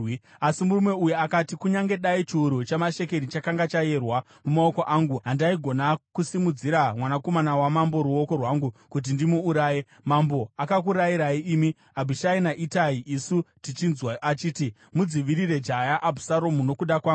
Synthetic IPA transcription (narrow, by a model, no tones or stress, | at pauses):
asimurume̞ujuakatikuɲaŋɡe̞ɗait͡ʃiuɾut͡ʃamaʃe̞ke̞ɾit͡ʃakaŋɡat͡ʃaje̞rwa | mumao̞ko̞ʔaŋɡuɦandaiɡʱo̞nakusimud͡ziɾamwanako̞manawamambo̞ɾuo̞ko̞rwaŋɡukut̬indimuuɾaːje | mambo̞akak̬uɾaiɾaiiːmi | abʱiʃainaʔitaiʔisutit͡ʃinzwaat͡ʃiːti | mud͡ziʋiɾire̞d͡ʒajaʔabʱusaɾo̞muno̞kuɗakwa